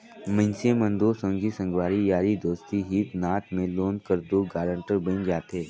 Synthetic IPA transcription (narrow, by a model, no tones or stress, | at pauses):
mə̃nsẽmə̃nd̪osə̃ŋɡisə̃ŋɡʋaːɾijaːɾid̪oːst̪iɦiːt̪naːt̪mẽloːnkəɾd̪oːɡaːɾə̃ɳʈəɾbɪ̃nd͡ʒaːt̪eː